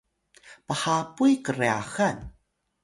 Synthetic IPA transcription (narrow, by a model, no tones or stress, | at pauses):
pahapujkəreaxan